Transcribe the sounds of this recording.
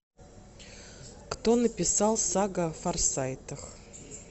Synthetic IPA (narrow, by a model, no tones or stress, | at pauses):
kt̪onəpʲɪsɑlˠsaɡəfɐrsajt̪əx